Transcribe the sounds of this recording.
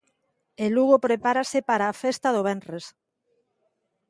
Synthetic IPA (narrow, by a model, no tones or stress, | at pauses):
eluɣopɾepaɾasɪpaɾaːfest̪aðoβɛnres